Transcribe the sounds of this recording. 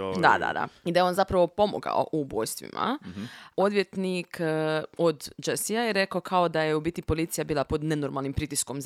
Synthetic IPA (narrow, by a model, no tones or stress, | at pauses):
d̪a̰d̪a̰d̪a̰id̪ajeo̞nzapɾaʋo̞po̞mo̰ɡa̰o̰ʔuboːjst̪ʋḭma̰ | o̞d̪ʋjet̪nik | od̪d͡ʒesijajeɾe̞kaokʰaod̪ajeubiːt̪ipo̞liːt̪sijabiːlˠapo̞d̪ne̞noɾmalnimpɾit̪iskom